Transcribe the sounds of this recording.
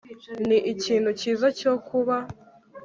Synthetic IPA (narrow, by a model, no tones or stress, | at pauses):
niʔiciːn̤uciːzaco̞kʰuβa